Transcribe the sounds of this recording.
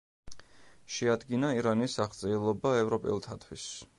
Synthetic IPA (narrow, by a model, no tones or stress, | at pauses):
ʃɛad̪ɡinaiɾanisaχd̪sʼɛːlˠɔbaɛvɾɔpʼɛ̰lˠt̪ʰat̪ʰwis